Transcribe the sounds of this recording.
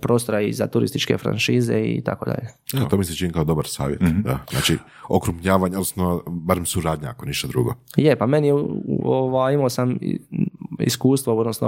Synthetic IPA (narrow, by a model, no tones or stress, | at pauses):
pɾo̞ːst̪oɾaizat̪uɾḭst̪it͡ʃke̞̰fɾa̰nʃiːzḛḭt̪a̰ko̞d̪a̰ʎeet̪oːmiset͡ʃinikaod̪o̞baɾsa̰ːʋjet̪d̪azna̰ːt͡ʃi | okɾupɲaːʋaːɲod̪nosnobaɾemsuɾaːd̪ɲaakoniʃt̪ad̪ɾṵːɡo̰jepame̞nijeuoʋaːjimaːsam̰ | ḭskuːst̪ʋood̪nosno̰